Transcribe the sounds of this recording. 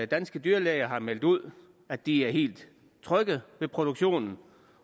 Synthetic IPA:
d̥ænsɡ̥əd̥yːɐlɛɪɐɦɑ̈mel̰d̥uð̞̰ˠ | æd̥iæɐɦe̝̰ːld̥ | t͡sʰʁœɡ̥əðʋe̝pʰʁo̝d̥uɡ̥ɕo̝̰ːnn̩

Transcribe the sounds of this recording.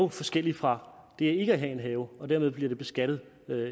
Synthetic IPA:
ʊfɒ̽sɡ̥el̰ifʁɑ̈d̥e̝æɐe̝ɡ̥əæɦɛe̝nɦɛːʊɒ̽d̥æɐmeð̞ˠb̥liɐde̝b̥e̝sɡ̥æɾ̥ð̞̩ˠ | ø

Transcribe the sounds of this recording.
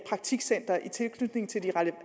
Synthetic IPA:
pʰʁɑ̈ɡ̥̚t͡sʰiɡ̥sen̰d̥ʁɐʔit͡sʰe̝lkʰnyd̥ne̝ŋ̩t͡sʰe̝ld̥iʁalə

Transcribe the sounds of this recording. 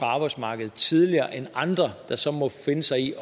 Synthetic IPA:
ʁɑɑ̈ːb̥ɑ̈ɪsmɑ̈ːɡ̥əð̩ˠt͡sʰið̞ˠliɐːʔenɑ̈nd̥ʁɐd̥ɑ̈sɒ̽mɒ̽fe̝nəsɑ̈ɪi

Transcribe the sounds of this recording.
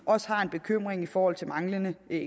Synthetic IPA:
ʔɒ̽sə̥hɑ̈e̝nb̥e̝kʰøm̰ʁeŋifɒːhɒ̽l̰t͡sʰe̝mɑ̈ŋlənə

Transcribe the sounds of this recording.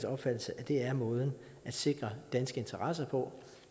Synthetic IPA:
sɒ̽b̥fæd̥l̩səʔæd̥e̝æɐmɔ̽ːð̞̩ˠn̩ | æd̥se̝ɡ̥ʁɐd̥ænsɡ̥əe̝nt͡sʰɐʁɑs̬ɐpʰɒ̽

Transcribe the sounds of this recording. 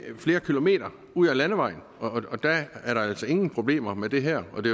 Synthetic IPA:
fle̝ːɐkʰilo̝me̝̰ːɾ̥ɐ | uð̰ˠælænəʋɑ̈ɪ̰n̩ɒɒ̽d̥æːɐɾɑ̈æl̰sɒe̝ŋn̩pʰʁo̝b̥le̝̰ːm̰ɐmed̥e̝ɦæɐ̰ɒ̽d̥e̝

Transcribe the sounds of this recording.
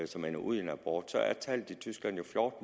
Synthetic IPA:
sɒ̽menɐʔuð̞̰ˠienæb̥ɔ̰ːd̥sɒ̽æɐt͡sʰæl̰d̥it͡sʰysɡ̥læn̰jo̝flɒːd̥m

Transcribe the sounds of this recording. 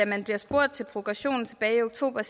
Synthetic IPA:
æmænb̥liɐsb̥o̝ɐ̰d̥̚t͡sʰe̝lpʰʁo̝ɡ̥ʁɑɕo̝̰ːn̩t͡sʰeb̥ɛːɪioɡ̥̚t͡sʰo̝̰ːb̥ɐs

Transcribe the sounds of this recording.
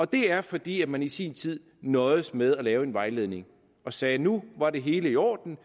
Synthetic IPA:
ɒ̽d̥e̝æɐfɒ̽d̥ḭːæmænisiːnt͡sʰið̰ˠ | nɒ̽ɪðˠəsmeð̞ˠælɛːʊe̝nʋɑ̈ɪle̝ðˠne̝ŋ | ɒ̽sɛːnuʋɑ̈ɾe̝ɦe̝ːləiɒ̰ːd̥n̩

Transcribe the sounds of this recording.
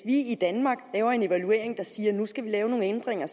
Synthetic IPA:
ʋiid̥ænmɑ̈ːɡ̥lɛːʊɐe̝ne̝ʋælue̝̰ɐ̰eŋd̥ɑ̈siːɐnusɡ̥æʋilɛːʊno̝ːn̩end̥ʁeŋ̰ɐ

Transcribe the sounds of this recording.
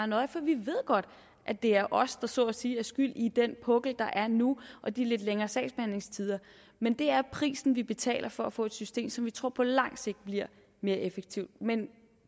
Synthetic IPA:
nɒ̽ɪfɒ̽ʋiʋe̝ð̞̰ˠɡ̥ɒ̽d̥ | ʔæd̥e̝æɐʔɒ̽sd̥ɑ̈sɔ̽ːsiːæɐsɡ̥yl̰id̥enpʰɔ̽ɡ̥l̩d̥ɑ̈ʔæɐnuʔɒ̽d̥ile̝d̥leŋɐːsɛ̰ɪsb̥ehæn̰le̝ŋst͡sʰið̞ˠɐ | mend̥e̝æɐpʰʁḭːsn̩ʋib̥e̝t͡sʰɛ̰ːlɐfɒ̽æfɔ̰̽ːe̝d̥sysd̥e̝̰ːmsɒ̽mʋit͡sʰʁo̝ɐ̰pʰɒ̽lɑ̈ŋ̰se̝ɡ̥̚d̥̚b̥liɐ̰ | me̝ːɐʔefeɡ̥̚t͡sʰiʊd̥̚men

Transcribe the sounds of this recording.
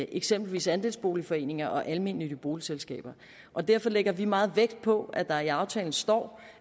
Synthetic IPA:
ʔeɡ̥semb̥l̩ʋḭːsænd̥e̝ːlsb̥o̝̰ːlifɒ̽e̝̰ːne̝ŋɐʔɒ̽ʔælme̝n̰lidəb̥o̝ːliselsɡ̥ɛ̰ːb̥ɐ | ʔɒ̽d̥æɐ̰fɒ̽leɡ̥ɐʋimɑ̈ːð̞̩ˠʋeɡ̥d̥̚pʰɒ̽æd̥ɑ̈ɐiɑ̈ʊt͡sʰɛ̰ːln̩sd̥ɒ̰ː

